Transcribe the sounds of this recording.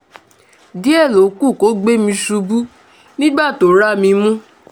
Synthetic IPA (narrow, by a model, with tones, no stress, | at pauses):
di˨˦ɛ˦˨lo˨˦ku˦˨ko˨˦ɡ͡be˦mĩ˧su˧bu˦ | nĩ˦ɡ͡ba˦˨to˨˦ɾa˦˨mĩ˧mũ˦